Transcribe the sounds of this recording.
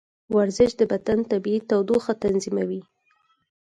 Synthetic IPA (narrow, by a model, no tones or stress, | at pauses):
waɾzɪʃd̪əbad̪ant̪abiit̪awd̪oxat̪anzimawi